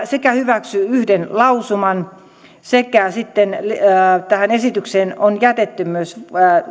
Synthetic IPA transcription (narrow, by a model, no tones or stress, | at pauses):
sekæhyʋæksyyhdenlɑusumɑn | sekæsit̪ːenlt̪æhænesit̪ykseːnonjæt̪et̪ːymyøs